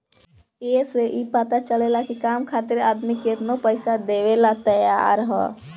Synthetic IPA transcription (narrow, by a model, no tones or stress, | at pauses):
eseʔipət̪at͡ʃəlelakikaːmkʰaːt̪ɪɾaːd̪miket̪nopəɪsad̪eʋelat̪əja̰ɾɦɔ̰